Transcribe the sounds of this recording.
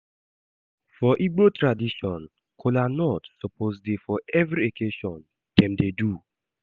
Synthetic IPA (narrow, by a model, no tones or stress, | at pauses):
fɔʔiɡ͡botɾadiʃɔ̃n | kʰolanɔtsɔpʰozdefɔʔɛvɾiokeʃɔ̃n | tɛ̃mdedu